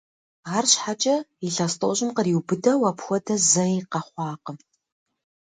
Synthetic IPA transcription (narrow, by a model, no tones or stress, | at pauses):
aːrɕħat͡ʃʼɐiɬaːstʼoɕʼɪmqəriwbɨdɐwapxʷɔdɐzɐiqɐχʷɑːqəm